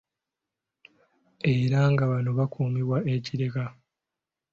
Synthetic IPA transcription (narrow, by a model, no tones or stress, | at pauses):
eɾaŋɡaβanoβakʰuːmiβwaʔeciɾeka